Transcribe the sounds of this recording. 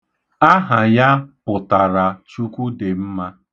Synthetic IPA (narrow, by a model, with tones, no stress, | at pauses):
a˦ɦa˨ja˦pʊ˨ta˨ɾa˨t͡ʃu˦kʷu˦de˨m̩˦ma˦